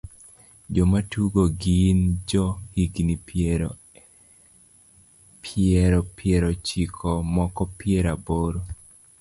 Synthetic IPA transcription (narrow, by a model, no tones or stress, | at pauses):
d͡ʒɔmatuɡoɡind͡ʒɔhiɡni | pɛɾɔpɪɛɾɔt͡ʃikʰɔmɔkɔpɪeɾaboɾo